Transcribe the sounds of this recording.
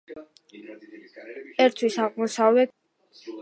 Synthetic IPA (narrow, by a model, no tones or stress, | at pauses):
ɛɾt̪ʰwisaʁmɔsavlɛt̪